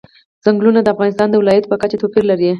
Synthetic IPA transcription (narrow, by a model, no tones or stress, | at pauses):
z̥aŋɡlunad̪əafɣɑnɪst̪ɑnd̪əwɪlɑjat̪pəkat͡ʃat̪opiɾlaɾe